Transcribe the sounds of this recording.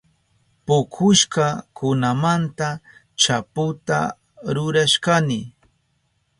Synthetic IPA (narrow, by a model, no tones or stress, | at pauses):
pʊkʰʊʃkakʰʊnamant̪a | t͡ʃapʊt̪a̰ | ɾʊɾaʃkanɪ